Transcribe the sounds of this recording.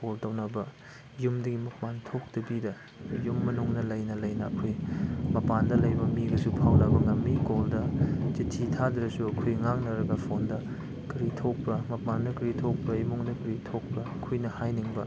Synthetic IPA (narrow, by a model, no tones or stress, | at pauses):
koltɐwnɐbɐ | jumdɐɡimɐpantʰok̚tɐbidɐ | jumːɐnuŋnɐlɐjnɐlɐjnɐ̰ːkʰojmɐpandɐlɐjbɐmiɡɐsupʰawlabɐŋɐmːikoldɐzitʰːitʰadɾɐsuɐkʰojŋak̚nɐɾɐɡɐpʰondɐ | kiɾitʰok̚pɐmɐpandɐkɾitʰok̚pɐimuŋdɐkɾitʰok̚pɐɐkʰojnɐhajniŋbɐ